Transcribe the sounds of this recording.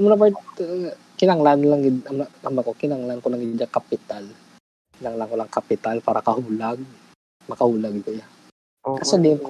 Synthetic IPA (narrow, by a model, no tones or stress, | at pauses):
ɐmonɐpat̪ | kɪnaŋlanlaŋɡɪd̪ɐmnaamnakokɪnaŋlaʔnkolɐŋɡɪɡɪd̪aŋkɐpɪt̪al | kɪnaŋlaŋkolaŋkɐpɪt̪alpaːɾɐkɐhuːlaɡ̚ | mɐkɐhuːlaɡt̪oja | kɐsad̪ɪn